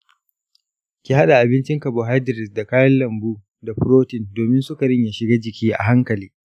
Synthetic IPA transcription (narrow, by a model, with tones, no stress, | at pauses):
kʲi˦ha˦ɗa˨ʔa˨bɪ˦nt͡ʃɪ˦ŋka˨boː˨ɦa˦dɪ˨ɾɪ˨sda˨kaː˦jɐ˦nlɐ˨mbuː˦ | da˨ɸʊ˦ɾoː˦tɪ˨ndoː˨mɪ˦nsʊ˦ka˨ɾɪ˦ɲja˨ʃɪ˨ɡaː˦d͡ʒɪ˨kʲiː˦ʔa̰˨ɦa˦ŋkɐ˨liː˦